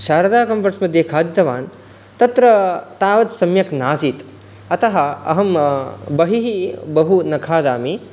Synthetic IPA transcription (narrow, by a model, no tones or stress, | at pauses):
ʃaːɾɐd̪aːkɐmpɐʈsmɐd̪ʱjekʰaːd̪jit̪ɐʋaːn | t̪ɐt̪ɾɐt̪aːʋɐt̪sɐmjɐknaːsiːt̪ | ɐt̪ɐɦɐ̆ɐ̰ɦɐmbɐɦiɦibɐɦunɐkʰaːd̪aːmi